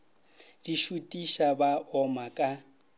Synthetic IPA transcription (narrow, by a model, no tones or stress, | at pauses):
diʃutʼiʃabaʔɔmakʼa